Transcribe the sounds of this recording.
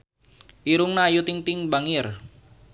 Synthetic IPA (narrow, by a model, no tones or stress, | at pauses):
ʔiɾʊŋnajut̪ɪŋt̪ɪŋbaŋɪr